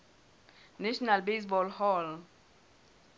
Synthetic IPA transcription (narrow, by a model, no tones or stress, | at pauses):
naʃɔnalbes̬bɔlhɔl